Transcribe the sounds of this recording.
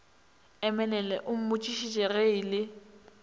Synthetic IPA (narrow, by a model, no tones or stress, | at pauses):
ɛmɛlɛlɛʔʊm̩mʊt͡ʃʼiʃit͡ʃʼɛreilɪ